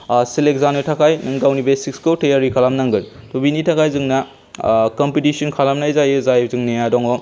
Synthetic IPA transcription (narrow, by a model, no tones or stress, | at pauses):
silek̚zanetʰakʰajnɯŋɡawnibesikskotejaɾikʰalamnaŋɡɯntubinitʰakʰajzɯŋna | kɔmpitisɔnkʰalamnajzajɯzajbzɯŋneadɔŋɔ